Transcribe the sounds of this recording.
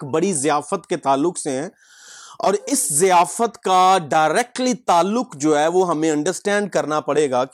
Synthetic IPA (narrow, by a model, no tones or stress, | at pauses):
kbɐɽizɪjaːfət̪ket̪aːlːʊkseɦɛ̃ː | ɔːɾɪszɪjaːfət̪kaɖaːɪɾɛːk̚ʈlit̪aːlːʊqd͡ʒoːɦɛːʋoɦɐmẽɐ̃ɳɖəɾsʈɛ̃ːɳɖ̚kɐɾnapɐɽeːɡaːk